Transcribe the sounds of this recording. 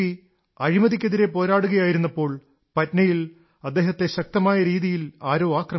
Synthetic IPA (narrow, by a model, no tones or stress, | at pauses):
i | ɐɾimɐðikʲːeðiɾe̞po̞ːɾaːɽuɣɐjaːjiɾunːɐpːo̞ːɭ | pɐtnɐjil | ɐd̪ːe̞ːɦɐt̪ːe̞ɕɐk̚t̪ɐmaːjɐɾiːðijilaːɾo̞ːaːkrɐ